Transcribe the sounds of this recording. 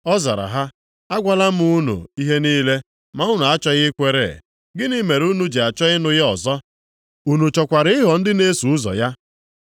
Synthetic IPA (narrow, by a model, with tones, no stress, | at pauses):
ɔ˦za̰˨ɾa̰˨ɦa˦ | a˦ɡʷa˨la˦m̩˦u˦nṵ˨i˦ɦe˦niː˦le˦ | ma˨˦ʊ˦n˨a˦t͡ʃɔ˦ɣɪ˦kʷe˦ɾḛ˨ | ɡɪ˦ni˦me˨ɾu˦nu˦d͡ʒe˨a˨t͡ʃɔ˦ɣɪ˦nʊ˨ɣɪ˦ɔ˨zɔ˦ | u˨nu˨t͡ʃɔ˨kʷa˨ɾɪ˦ɪ˦ɦɔ˨n̩˦dɪ˦ne˦su˨ʊ˦zɔ̰˨ja˦